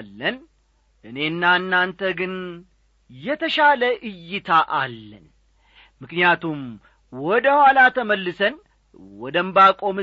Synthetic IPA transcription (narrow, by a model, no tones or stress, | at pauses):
lːən | ʔɨne̞nːaɨnːant̪ʰəɡɨn | jɛt̪ʰəʃaləʔɨjːɨt̪ʰaʔalːən | mɨknijat̪ʰum | wɔd̪əhwalat̪ʰəməlːɨsən | wɔd̪əmbakʼo̞mɨ